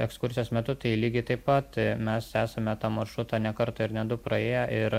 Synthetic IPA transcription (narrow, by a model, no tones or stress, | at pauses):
ɛkskʊɾʲsʲɪjoːsmʲɛt̪ʊt̪ɐɪilʲiːɡʲɪt̪ɐɪppɐt̪mʲɛsæːsɐmʲɛt̪ɑːmɐɾʃɾʊt̪ɑːnʲɛkɐɾt̪ɐɪɾnʲɛd̪ʊpɾɐeːjɛʔɪɾ